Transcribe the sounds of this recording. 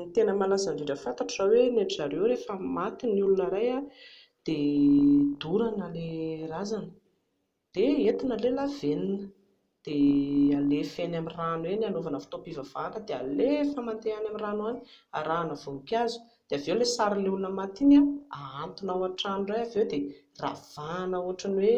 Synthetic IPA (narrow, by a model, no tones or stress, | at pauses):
nit̪enəmalazanveɖ͡ʐəfant̪aʈ͡ʂaweneʈ͡ʂaɾewɾefəmat̪iniulunəɾaja | d̪̥e | d̪uɾanəlerazanə | d̪̥eet̪inəlelaveninə | d̪̥ealefenamiranuwenanovanəfu̥t̪opivav̥anəd̪ea̰lefamant̪eanamiɾanuani | aɾanəvoukʲazu̥ | d̪̥eavewlesaɾileulunəmat̪inaaant̪unauaʈ͡ʂanurajavewd̪e | ra̰v̥anauaʈ͡ʂaniwe